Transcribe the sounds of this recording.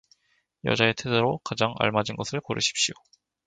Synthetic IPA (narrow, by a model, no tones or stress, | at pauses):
jʌ̰d͡ʑae̞tʰedoɾokad͡ʑaŋa̰ɭmad͡ʑinɡʌsʰɯɭkoɾɯ̰ɕʰi̥p̚ɕ͈ijo